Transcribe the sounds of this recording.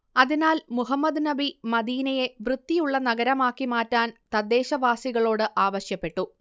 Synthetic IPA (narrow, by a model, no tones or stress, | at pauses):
ɐðinaːlmuɦɐmːɐd̪nɐbimɐd̪iːnɐje̞ʋrɨd̪ːijuɭːɐnɐɡɐɾɐmaːkːimaːtːaːnt̪ɐd̪ːe̞ːɕɐʋaːsiɣɐɭo̞ːɽɨʔaːʋɐɕjɐpːe̞ʈːu